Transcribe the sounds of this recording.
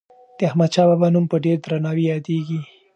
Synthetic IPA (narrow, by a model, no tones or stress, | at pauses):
d̪̥əahmad̪t͡ʃɑbabanumpəɖeɾd̪ɾanɑwijɑd̪eɡi